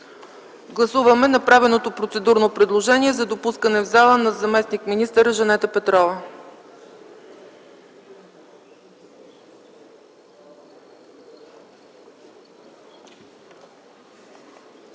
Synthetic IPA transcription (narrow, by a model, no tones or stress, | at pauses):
ɡlˠɐsuvəmɛnɐpɾavɛlˠnot̪opɾot̪sɛd̪uɾnopɾɛd̪lˠoʒɛniɛzɐd̪opuskənɛvzalˠənɐzɐmɛsnikminist̪əɾʒɐnɛt̪əpɛt̪ɾɔvə